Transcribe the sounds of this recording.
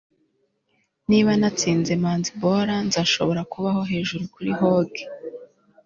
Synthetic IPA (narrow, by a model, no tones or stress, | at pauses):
niβanat͡siːnze̞maːnzibo̞ɾanzaʃo̞̰βo̞ɾakuβaho̞ɦe̞ːʒuɾukuɾiɦoːɡe